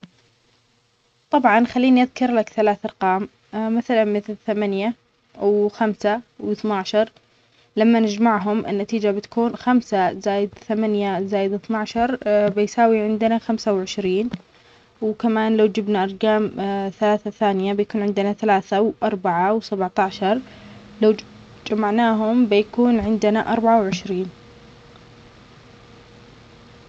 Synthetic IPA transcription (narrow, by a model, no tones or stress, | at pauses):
t̪ˤɑbʕɑnxalːiːniʔaðkɑɾˤlakθalaːθɑɾˤqɑːm | maθalanmɪθlθamanja | wxamsawɪθnaʕʃɑɾˤ | lamːanɪd͡ʒmaʕɦʊmʔɪ̰nːat̪iːd͡ʒabɪt̪ḁkuːnxamsazaːjɪd̪θamanjazaːjɪd̪ɪθnaʕʃɑɾˤbɪjsaːwiʕɪnd̪naxamsawʕɪʃɾiːn | wkamaːnlawd͡ʒɪbnaʔɑɾˤɡaːmθalaːθaθaːnɪjabɪjakuːnʕɪnd̪ɪnaθalaːθawʔɑɾˤbaʕawsabʕt̪aʕʃɑɾˤ | law | d͡ʒamaʕnaːɦʊmbɪjakuːnʕɪnd̪ɪnaʔɑɾˤbaʕawʕɪʃɾiːn